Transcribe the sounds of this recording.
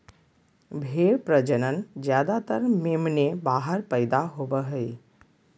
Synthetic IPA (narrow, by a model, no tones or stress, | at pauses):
bʱeːɾpɾəd͡ʒənənd͡ʒjaːd̪at̪əɾmemnebaːɦəɾpəɪd̪aɦobəɦəi